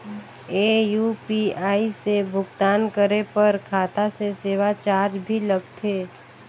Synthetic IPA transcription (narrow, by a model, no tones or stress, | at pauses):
eːjuːpiaːisebʱʊɡt̪aːnkəɾepɐɾkʰaːt̪aseseːʋat͡ʃaːɾd͡ʒbʱilɐɡ̚t̪ʰeː